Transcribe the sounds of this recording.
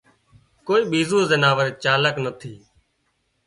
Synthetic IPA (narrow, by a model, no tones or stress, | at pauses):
koːiːɓiːzuːzənaːʋəɾeːt͡ʃaːləknət̪ʰiː